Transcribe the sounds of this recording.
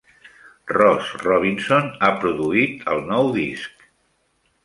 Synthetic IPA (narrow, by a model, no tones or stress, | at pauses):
rɔsrɔβ̞insonapɾuðuit̪əlˠnɔwðisk̚